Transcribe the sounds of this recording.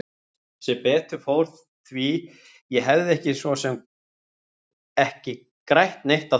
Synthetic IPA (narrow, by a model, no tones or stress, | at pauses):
sɛpɛːt̪ʏ̥fowɾθ | θvi | jɛɦɛvðɪɛhcɪsvɔsɛm | ɛhcɪ | kɾajht̪nejht̪a